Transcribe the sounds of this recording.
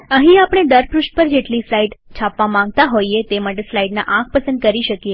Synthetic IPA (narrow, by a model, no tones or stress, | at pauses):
əɦĩapɽ̃eɖ̪əɾpɾuʃʈ̚pəɾd͡ʒeʈlislaiɖt͡ʃʰapʋamãŋɡ̚t̪aɦoiet̪emaʈ̬eslaiɖna̰ʔãk̚ʰpəsənd̪̚kəɾiʃəkje